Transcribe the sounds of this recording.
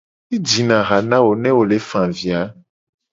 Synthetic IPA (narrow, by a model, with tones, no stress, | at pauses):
i˦d͡ʒi˨nã˨ɣa˨nã˦wo˨nɛ̃˦wo˨le˨fã˨vi˨a˨˦